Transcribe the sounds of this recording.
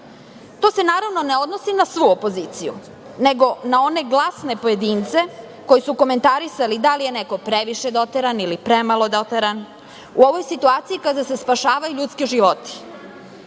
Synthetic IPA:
t̪o̞ːse̞naːɾaʋno̞neo̞d̪nosinasʋuopo̞ziːt̪sijṵ | neɡo̞nao̞ne̞ɡlˠasne̞po̞je̞d̪iːnt̪se̞ | ko̞jisuko̞me̞nt̪aɾisalid̪alijeneko̞pɾeʋiʃed̪o̞t̪eɾanilipɾemalo̞d̪ot̪eɾan | uo̞ʋo̞jsit̪uaːt̪sijikad̪ase̞spaʃaːʋajuʎut̪skeʒiʋot̪i̥

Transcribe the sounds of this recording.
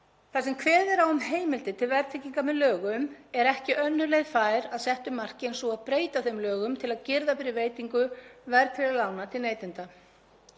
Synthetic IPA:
θasɛmkʰvɛːðɪɾawʏmɦeːjmɪlt̪ɪt̪ʰɪlvɛɾt̪ʰɪcːiŋkamɛðlœːɣʏmɛɾɛhcɪʔœnːʏlejɣfaːjɾaðsɛht̪ʏmːar̥cɪɛnsuaðpɾeːjt̪aθejmlœːɣʏmt̪ʰɪlaðcɪɾðafɪɾɪveːjt̪iŋkʏvɛɾt̪ʰfɪɾalaːwnat̪ʰɪlneːjt̪ɪnt̪a

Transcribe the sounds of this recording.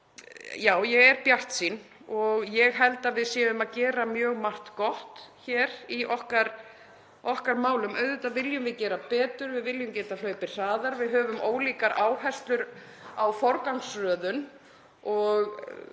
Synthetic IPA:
jaːwjɛɣɛɾpjaht̪sin | ɔɣjɛɣɦɛlt̪aðvɪðsjɛːðʏmaðcɛːɾamjœːɣmar̥t̪kɔht̪çɛːɾiʔɔhkaɾ | ɔhkaɾmaːwlʏmʔœːɥðʏt̪aðvɪljʏmvɪðcɛːɾapɛːt̪ʏɾvɪðvɪljʏmcɛːt̪al̥œːɥpɪɾ̥r̥aːðaɾvɪðɦœːvʏmʔoːwliːkaɾaːwɦɛst̪lʏɾ | awfɔɾkawŋsrœːðʏn | ɔɣ

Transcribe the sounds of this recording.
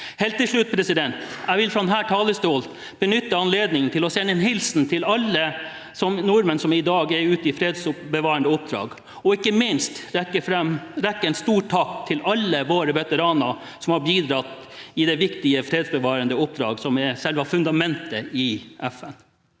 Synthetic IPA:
heːlt̪ːɪlʂɭʉt̪̚pʰɾɛsɪd̪ɛnt̪æɪʋɪlfɾɔd̪ɛnɦæːʈʰɑːləst̪oːlt̪ | b̥ənʏt̪ːəɑnleːd̪nɪŋənt̪ʰɪlɔsɛnːɛnɦɪlsnt̪ʰɪlɑlːə | sɔmnɔɾmənsɔmɪd̪ɑːɡɛɾʉːt̪ɪfɾeːd̪sʊpbəʋɑːɾənəʊp̚d̪ɾɑ̰ːɡ | ɔɪkːəmɪnst̪ɾɛkːəfɾɛmɾɛkːəɛɪnst̪uːʈʰɑkt̪ʰːɪlɑlːəʋoːɾəʋɛt̪əɾɑːnɑ | sɔmhɑɾbiːd̪ɾɑt̪ːɪd̪ɛʋɪkt̪ɪəfɾeːd̪sbəʋɑːɾənd̪əʊp̚d̪ɾɑ̰ːɡsɔmɛsɛlʋɑfʉnd̪ɑmɛnt̪əɪɛfɛn

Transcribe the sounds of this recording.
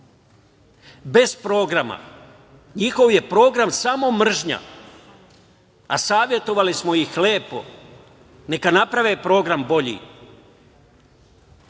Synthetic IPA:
be̞z̥pɾo̞ːɡɾama̰ | ɲixo̞ʋje̞pɾo̞ːɡɾamsamo̞mr̩ʒɲa̰ | a̰saːʋje̞t̪o̞ʋalismo̞jixleːpo̞̰ | ne̞kanapɾaʋeːpɾo̞ːɡɾambo̞ʎḭ

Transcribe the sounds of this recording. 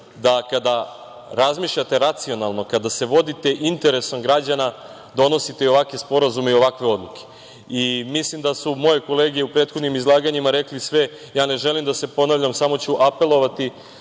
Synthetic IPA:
d̪akad̪a | ɾazmiːʃʎat̪e̞ɾat̪sio̞nalˠno̞kad̪ase̞ʋo̞d̪it̪e̞ʔint̪e̞ɾe̞somɡɾad͡ʑana | d̪o̞no̞sit̪e̞io̞ʋakʋespo̞ɾazumeio̞ʋakʋeo̞d̪lˠukʰe̥ | imislimd̪asumo̞je̞ko̞le̞ːɡijeupɾeːt̪xod̪nimizlˠaːɡaɲimaɾe̞klisʋe̞ | jaːne̞ʒe̞limd̪ase̞po̞naʋlʎamsamo̞t͡ɕuʔape̞lo̞ʋat̪i

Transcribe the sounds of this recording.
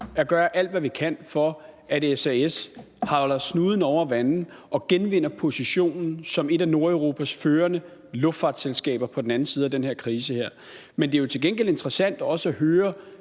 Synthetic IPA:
æɡ̥ɶːɐʔæl̰d̥ʋæʋikʰæn̰fɒ̽ʔædesæes | hɑ̈lɐsnuːð̞ˠn̩ɒʊ̰ɐʋænn̩ | ʔɒ̽ɡ̥enʋe̝n̰ɐpʰo̝siɕo̝̰ːnn̩sɒ̽me̝ɾæno̝ɐʊʁo̝ːpʰæsføːɐnə | lɔ̽fd̥fɑ̈ːd̥selsɡ̥ɛ̰ːb̥ɐpʰɒ̽d̥enæn̩siːð̞̩ˠæd̥enheɐ̰kʰʁiːs̬əheɐ̰ | mend̥e̝jo̝t͡sʰe̝lɡenɡ̥el̰e̝nd̥ʁɐsæn̰d̥æɒ̽səæɦøːɐ

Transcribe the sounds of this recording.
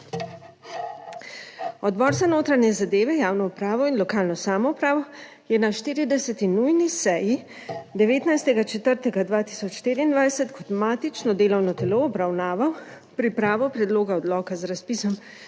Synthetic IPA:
ɔd̪bɔːɾsanoːt̪ɾanjɛzad̪eːʋɛjaːwnɔupɾaːʋɔinlɔkaːlnɔsaːmɔupɾaːʋɔ | jɛnaʃt̪iːɾid̪ɛsɛt̪inujnisɛji | d̪ɛʋeːt̪najst̪ɛɡat͡ʃɛt̪əɾt̪ɛɡad̪ʋaːt̪i̥sɔt͡ʃʃt̪eːɾiːnd̪ʋajsɛt̪kʰɔt̪maːt̪it͡ʃnɔd̪eːlɔwnɔt̪ɛloːbɾawnaːʋaw | pɾipɾaːʋɔpɾɛd̪loːɡaɔd̪lɔːkazɾaspiːsɔm

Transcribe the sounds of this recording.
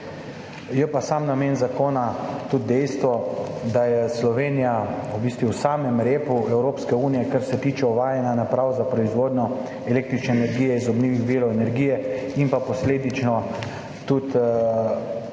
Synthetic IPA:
jɛpasamnameːnzakoːnat̪ud̪̚d̪ɛjst̪ʋɔd̪ajɛslɔʋeːnijaubist̪ʋiwsaːmɛmɾeːpuɛwɾoːpskɛuːnijɛkaɾsɛt̪iːt͡ʃɛɔʋaːjɛnjanapɾaːwzapɾɔizʋoːd̪nɲɔ | ɛleːk̚t̪ɾit͡ʃnɛːnɛɾɡiːjɛizɔbniːʋiɣbiːɾɔɛnɛɾɡiːjɛimpapɔsleːd̪it͡ʃnɔ | t̪ut̪

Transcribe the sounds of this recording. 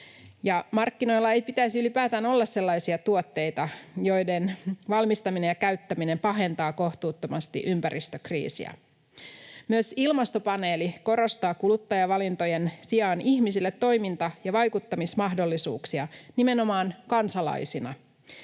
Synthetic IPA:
jɑmɑrkːino̞jlːɑe̞jpit̪æisiylipæːt̪æno̞lːɑsse̞lːɑjsiɑt̪uot̪ːe̞jt̪ɑjo̞jde̞nʋɑlmist̪ɑmine̞jɑkæyt̪ːæmine̞mpɑɦe̞nt̪ɑːko̞ht̪uːt̪ːo̞mɑst̪ḭʔympæɾʔist̪økrḭːsḭæ̰ | myøsilmɑst̪o̞pɑne̞ːliko̞ɾo̞st̪ɑːkulut̪ːɑjɑʋɑlint̪o̞jensiɑːniçmisilːet̪ːo̞jmint̪ɑjɑʋɑjkut̪ːɑmismɑɦdo̞lːisṵːksiɑnime̞no̞mɑːnkɑnsɑlɑ̰jsinɑ̰

